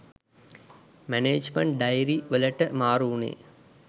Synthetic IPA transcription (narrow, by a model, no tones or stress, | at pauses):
mæneːd͡ʒməɳʈ̚ɖajɾiʋələʈəmaːɾuːnḛː